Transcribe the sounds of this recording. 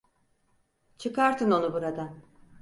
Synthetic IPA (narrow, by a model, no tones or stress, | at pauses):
t͡ʃʰɯkaɾt̪ʰɯno̞nubuɾad̪an